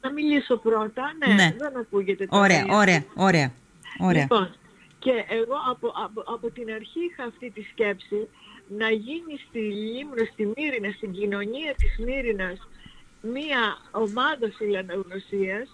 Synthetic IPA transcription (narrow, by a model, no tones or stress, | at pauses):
nɐmiliso̞pɾo̞t̪ɐne̞neðe̞nɐkuʝe̞t̪e̞toɾeɐ̰ʔoɾeɐoɾeɐ | oeiɐpo̞n | ce̞ʔeɣo̞ɐpoʔɐpoʔɐpo̞t̪inɐɾçiixɐːft̪it̪isce̞psinɐʝinist̪ilimnost̪imiɾinɐst̪iɲɟino̞ɲiɐt̪izmiɾinɐs | miɐomɐðɐfilɐnɐɣno̞siɐs